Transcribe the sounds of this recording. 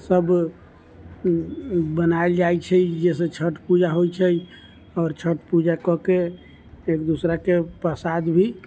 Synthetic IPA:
səb | bənaeld͡ʒajt͡ʃʰɛjd͡ʒesə̃t͡ʃʰəʈpud͡ʒaɦojt͡ʃʰəj | ɔːɾt͡ʃʰəʈpud͡ʒakɔkeː | kd̪usɾakepəsad̪bʱi

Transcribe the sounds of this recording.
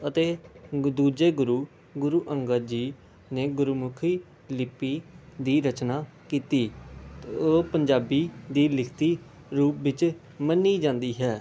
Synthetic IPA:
ət̪eːd̪uːd͡ʒeːɡʊɾuː | ɡʊɾuːʔəŋɡəɾd͡ʒiː | neːɡʊɾumʊkʰiː | lɪpːiːd̪iːɾət͡ʃnaː | kiːt̪iː | oːpəɲd͡ʒaːbiːd̪iːlɪkʰt̪iː | ɾuːpʋɪt͡ʃ | mənːiːd͡ʒãːnd̪iːɦɛː

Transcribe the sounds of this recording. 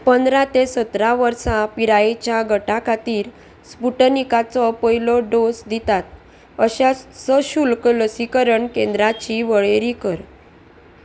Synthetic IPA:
pənd̪ɾat̪esət̪ɾaʋəɾsapiɾaet͡ɕjaɡʱəʈakʰat̪iːɾ | spuʈənikat͡sɔpəilɔɖosd̪it̪at̪̚ | əɕasəɕulkləsikəɾəɳkẽnd̪ɾat͡ɕiʋəɭeɾikəɾ

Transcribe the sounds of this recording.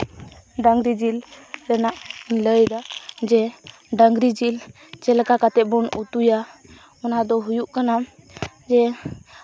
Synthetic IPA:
ɖaŋɡɾid͡ʒilɾɛnaʔiləjd̪ad͡ʒɛ | ɖaŋɡɾid͡ʒil | t͡ʃɛlɛkakat̪ɛbɔnut̪uja | ɔnad̪ɔɦujuʔkana | d͡ʒɛ

